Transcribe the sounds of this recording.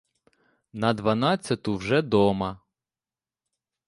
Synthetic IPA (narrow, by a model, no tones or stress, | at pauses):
nɐd̪ʋɐnɑt͡sʲːɐt̪ʊwʒɛd̪ɔmɐ